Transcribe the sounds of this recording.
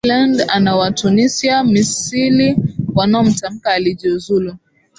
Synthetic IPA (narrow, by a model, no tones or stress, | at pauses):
landanawatunisiamisiliwanaɔm̩tam̩kaːlid͡ʒiuzulu